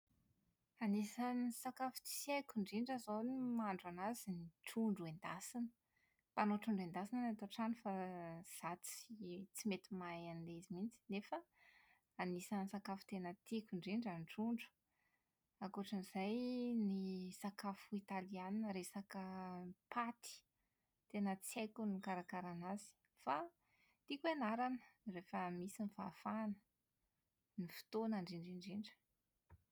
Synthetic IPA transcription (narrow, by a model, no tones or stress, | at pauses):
anisanisakafu̥t͡si̥sakuɳɖ͡ʐiɳɖ͡ʐazonimaɳɖ͡ʐanaziniʈ͡ʂuɳɖ͡ʐuend̪asinə̥ | panoʈ͡ʂuɳɖ͡ʐend̪asinanat̪oʈ͡ʂanifaz̥at͡sit͡simet̪imajanileizimint͡si̥nefə | anisansakafu̥t̪enət̪ikʲuɳɖ͡ʐiɳɖ͡ʐanʈ͡ʂuɳɖ͡ʐu̥ | akoʈ͡ʂənizajnisakafuit̪alianinəɾesakəpʰat̪i̥ | t̪enət͡sekunikaɾakaɾanazi̥ | fa | t̪ikuanaɾanə̥refəmisinifa̰fanə̥ | nifi̥t̪onaɳɖ͡ʐiɳɖ͡ʐiɳɖ͡ʐiɳɖ͡ʐə̥